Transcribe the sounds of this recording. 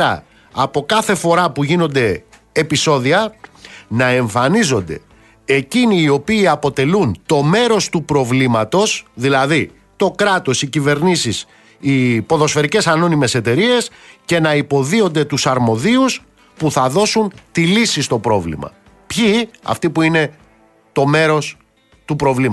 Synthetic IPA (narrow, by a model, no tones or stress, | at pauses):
ɾɐ̰ː | po̞kɐθe̞fo̞ɾɐpuʝino̞nd̪e̞ː | piso̞ðiɐ | nɐe̞ɱfɐnizo̞nd̪e̞ | eciniːo̞piːɐpo̞t̪e̞lunt̪o̞me̞ɾo̞st̪upɾo̞vlimɐt̪o̞sðilɐði | t̪o̞kɾɐt̪o̞sicive̞ɾnisis | ipo̞ðo̞sfe̞ɾice̞sɐno̞nime̞se̞t̪e̞ɾie̞sce̞nɐipo̞ðio̞nd̪e̞t̪usɐɾmo̞ðius | puθɐðo̞sunt̪ilisist̪o̞pɾo̞vlḭmɐ̰ | pçiɐ̰ft̪ipuine̞ | t̪o̞me̞ɾo̞s | t̪upɾo̞vlim